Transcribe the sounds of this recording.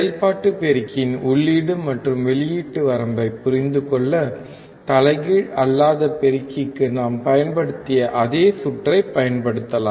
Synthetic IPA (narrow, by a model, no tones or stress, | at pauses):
slpaːʈːɯpɛɾɪkːɪnʊɭːiːɽɯmɐʈrɯmʋɛɭɪjiːʈːɯʋɐɾɐmbɐɪpːʊɾɪnd̪ɯkɔɭːɐ | t̪ɐlɐɪɣɪɻɐlːaːðɐpɛɾɪkːɪkːɯnaːmpɐjɐnpɐɽɯt̪ːɪjɐʔɐðeːsʊʈrɐɪpːɐjɐnpɐɽɯt̪ːɐlaː